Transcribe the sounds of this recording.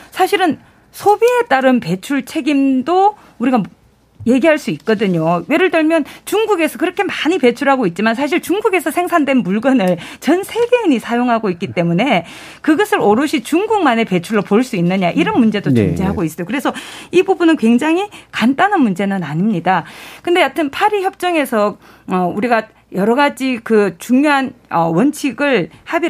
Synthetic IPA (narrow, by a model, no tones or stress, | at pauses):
sʰaɕʰiɾɯn | sʰobie̞t͈aɾɯnpe̞t͡ɕʰuɭt͡ɕʰe̞ɡimdo | uɾiɡam | je̞ɡiɦaɭs͈uik̚k͈ʌdɯɲowe̞ɾɯɭtɯɭmjʌnt͡ɕuŋɡuɡe̞sʰʌkɯɾʌkʰe̞maɲipe̞t͡ɕʰuɾɦaɡoit̚t͡ɕ͈imansʰaɕ̬ʰiɭt͡ɕuŋɡuɡe̞sʰʌsʰe̞ŋsʰandwe̞nmuɭɡʌnɯɭt͡ɕʌnsʰe̞ɡe̞ɯɲisʰajoŋɦaɡoik͈it͈e̞mune̞ | kɯɡʌsʰɯɾoɾɯɕʰit͡ɕuŋɡuɡ̚mane̞pe̞t͡ɕʰuɭːopoɭs͈uinːɯɲaʔiɾʌnmund͡ʑe̞dot͡ɕʌŋd͡ʑiɦaɡois͈ʌjokɯɾe̞sʰʌibubunɯnkwe̞ŋd͡ʑaŋɦikant͈anɯnmund͡ʑe̞nɯnaɲimɲidakɯnde̞jatʰɯnpʰaɾiçjʌp̚t͡ɕ͈ʌŋe̞sʰʌ | ʌuɾiɡa | jʌɾʌɡad͡ʑikɯt͡ɕuŋɲjoɦan | ʌwʌnt͡ɕʰiɡɯɭhabi